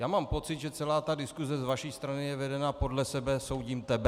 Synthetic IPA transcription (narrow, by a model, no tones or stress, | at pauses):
jaːmaːmpo̞t͡sɪd̪ʒɛt͡sɛlaːt̪adɪskuzɛzvaʃiːst̪ɾanɪjɛvɛdɛnapo̞dlɛsɛbɛso̞wɟiːmt̪ɛbɛ